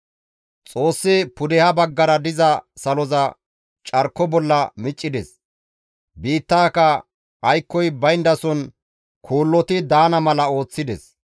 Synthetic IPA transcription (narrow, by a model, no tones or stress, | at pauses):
t͡sʼo̞ːsːɪpʊd̪ɛhɐbɐɡːɐɾɐd̪ɪzɐsɐlɔzɐ | t͡ʃʼɐɾkːɔbɔlːɐmɪt͡ʃʼːɪd̪ɛs | biːt̪ːaːkɐ | ɐjkːɔjbɐjnd̪ɐsɔn | kʰuːlːɔt̪ɪd̪aːnɐmɐlɐo̞ːt͡sːɪd̪ɛs